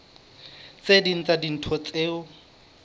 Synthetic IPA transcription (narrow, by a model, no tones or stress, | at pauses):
t͡sedin̩t͡sadin̩tʰɔt͡sʼeːʊ